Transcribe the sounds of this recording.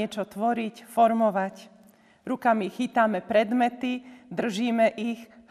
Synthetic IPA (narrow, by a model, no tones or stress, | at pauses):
ɛt͡ʃɔt̪ʋɔɾicfɔɾmɔʋac | ɾukamixiːt̪amɛpɾɛd̪mɛt̪id̪r̩ʒiːmɛʔix